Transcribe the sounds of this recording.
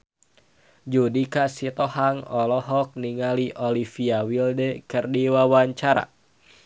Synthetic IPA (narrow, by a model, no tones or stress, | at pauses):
d͡ʒudikasit̪ɔhaŋɔlɔɦɔk̚niŋaliʔolifiawildɛkɨrdiwawaɲt͡ʃaɾa̰